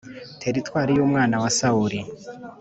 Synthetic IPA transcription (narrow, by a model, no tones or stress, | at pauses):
tʰe̞ɾitwaːɾijomŋaːnawasauɾi